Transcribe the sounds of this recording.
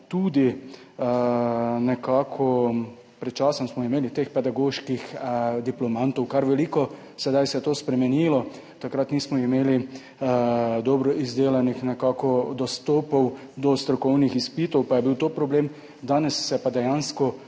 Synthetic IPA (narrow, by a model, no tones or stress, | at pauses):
t̪ud̪i | nɛkaːkʰɔ | pɾɛt̪t͡ʃaːsɔnsmɔimeːlit̪expɛd̪aɡoʃkixd̪iplɔmant̪ɔwkaɾʋɛlikɔ | sɛd̪ajsɛt̪oːspɾɛmɛnilɔ | t̪akɾat̪nismɔimeːli | d̪ɔːbɾɔizd̪eːlanixnɛkakɔd̪ɔst̪oːpɔw | d̪ɔst̪ɾɔkɔwnixispiːt̪ɔwpajɛbiwt̪oːpɾɔbleːm | d̪aːnɛsːɛpad̪ɛjanskɔ